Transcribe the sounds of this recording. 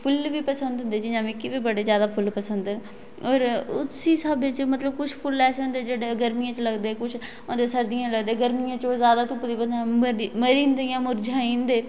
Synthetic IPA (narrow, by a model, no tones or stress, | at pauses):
pʰʊlʋiːpəsənd̪ɦʊ̃nd̪eːd͡ʒɪd͡ʒãːʋikɪʋiːbəɽeːzjaːd̪aːpʰʊlpəsənd̪n | oːɾʊ̰t̪siːsaːbeːt͡ʃmət̪ləbkʊt͡ʃʰpʰʊlɛːseːɦõːnd̪eːd͡ʒeːɽeːɡəɾmijãːt͡ʃləɡd̪eːkʊt͡ʃʰ | õːd̪eːsəɾd̪ijãːləɡd̪eːɡəɾmijãːt͡ʃoːzjaːd̪aːt̪ʊpd̪iːbənaməɾməɾĩːnd̪eːjãːmʊɾd͡ʒaːĩːnd̪eː